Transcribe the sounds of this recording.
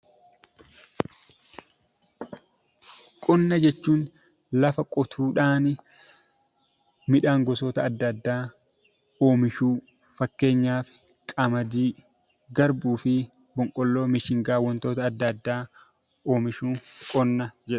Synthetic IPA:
kʼɔnːɐd͡ʒɛt͡ʃːuːn | lɐfɐkʼɔt̪ʰuːᶑaːn | mɪᶑaːŋɡɔsoːt̪ɐːd̪ːɐd̪ːaː | oːmɪʃuː | fɐkːe̞ːɲːaːfɪ | kʼɐmɐd̪iː | ɡɐɾbuːfɪ | bɔŋkʼɔlːo̞ːmɪʃɪŋɡaːwːɐnt̪o̞ːt̪ɐːd̪ːɐd̪ːaː | o̞ːmɪʃuːkʼɔnːɐd͡ʒɛᶑʊ

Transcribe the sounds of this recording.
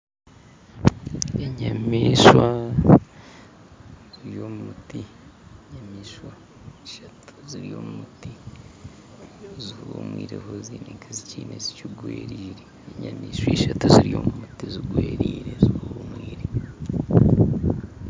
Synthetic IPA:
eɲamiːʃwa | ziɾjoːmumuti | ɲamiːʃwa | eʃatu̥ziɾijoːmumuti | zuuβumwiːɾehoziːniŋkʰaziciːnezicuɡweːɾiːɾeːɲamiːʃweʃatuziɾijoːmumutiziɡweːɾiːɾeziuβumwiːɾe

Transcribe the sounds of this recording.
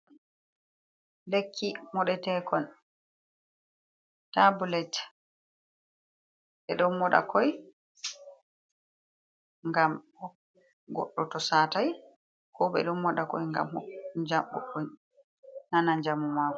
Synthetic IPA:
lekʰːimɔɗɛtɛkɔn | tːabulɛt | ʔɛɗɔnmɔɗa̰kʰɔj | ŋɡam | ɔ | ɡɔ̰ɗːɔtɔsaːtaj | kʰɔbɛ̰ɗɔmːɔɗakɔ̰jŋɡa̰mhɔd͡ʒamɡɔ̰ɗːɔ | nanaɲd͡ʒamumakɔ

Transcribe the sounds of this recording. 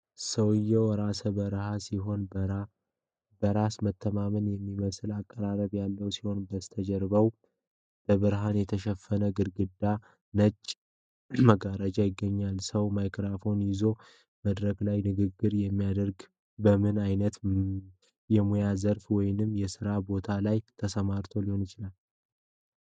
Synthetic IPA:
səwɨjːɛwɾasəbəɾhasiɦo̞n | bəɾasmət̪ʰːəmamɨnjɛmːiməsɨlakʼːəɾaɾəβjalːəwsi̥ho̞nbəst̪ʰəd͡ʒɛɾβəw | b̥əβɨɾɦanjɛt̪ʰəʃɛfːənəɡɨɾɡɨd̪ːa | nət͡ʃʼː | məɡaɾəd͡ʒajɪɡːəɲːalsəwmajkʰɾafo̞njɪzo̞ | məd̪ɾəklajnɨɡɨɡːɨɾjɛmːijad̪əɾɡ | bəmɨnajnət̪ | jɛmujazəɾfwɔjnɨmːjɛsɨɾabo̞t̪ʰalajt̪ʰəsəmaɾt̪ʰo̞liho̞nɪt͡ʃɪlal

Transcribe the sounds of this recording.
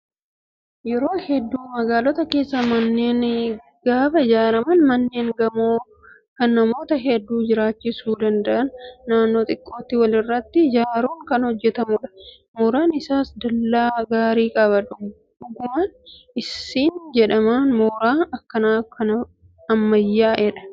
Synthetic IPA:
jɛɾo̞ːhɛd̪ːuːmɐɡaːlɔt̪ɐke̞ːsːɐmɐnːe̞ːn | ɡ̥aːbɐɪd͡ʒaːɾɐmɐnmɐnːe̞ːŋɡɐmoː | kɐnːɐmo̞ːt̪ɐɦɛd̪ːuːd͡ʒɪɾaːt͡ʃːɪsuːd̪ɐnd̪ɐʔɐnːaːnːo̞ːt̪ʼɪkʼːo̞ːt̪ːɪwɐlɪrːɐt̪ːɪd͡ʒaːɾuːŋkɐnhɔd͡ʒːɛt̪ɐmʊᶑɐ̥ | mɔɾaːnɪsaːsd̪ɐlːaːɡaːɾiːkʼɐbɐᶑʊ | ᶑʊɡʊmɐn | ɪsiːnd͡ʒɛᶑɐmaːnmoːɾaːɐkːɐnaːfkɐnɐ | ɐmːɐjːaːʔɛᶑɐ̥

